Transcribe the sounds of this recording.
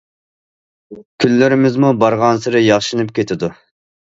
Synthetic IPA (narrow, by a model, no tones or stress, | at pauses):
kʲʰylːɪɾɪmɪzmubɑɾʁɑnsɨɾɨjɑχʃɨnɨpkʲʰet̪ʰɪd̪u